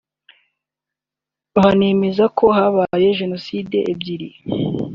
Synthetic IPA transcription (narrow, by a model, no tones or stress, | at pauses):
aɦaneːmezakʰo̞ɦaβaje̞ʒe̞no̞siːdeʔebɟiɾi